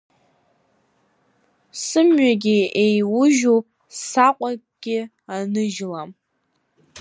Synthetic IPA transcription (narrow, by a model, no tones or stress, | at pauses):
sɨmɥaɡʲɪejwʊʒo | saqʷʼakʼɡ̥ʲɪ | anɨʒlam